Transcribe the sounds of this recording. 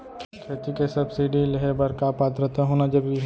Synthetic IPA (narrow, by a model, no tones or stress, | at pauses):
kʰeːt̪ikesɐbsiɖilɦebɐɾkapaːt̪ɾət̪aɦoːnad͡ʒɐb